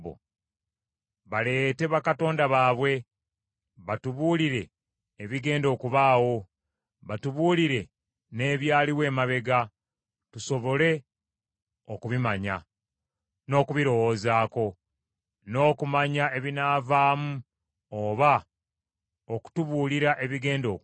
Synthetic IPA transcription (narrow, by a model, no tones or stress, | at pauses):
o̰ | βale̞te̞βakato̞ːndaβaːβwe̞ | βatuβuːliɾe̞ː | βiɡe̞ːndo̞ːkuβaːwo̞ | βatuβuːliɾe̞ | ne̞ːβjaːliwe̞ːmaβe̞ɡa | tuso̞βo̞le̞ | o̞kuβimaɲa̰ | no̞ːkuβiɾo̞wo̞ːzaːko̞ | no̞ːkumaɲae̞βinaːvaːmu | oːβa | oku̥tuβuːliɾaʔe̞βiɡe̞ːndo̞̰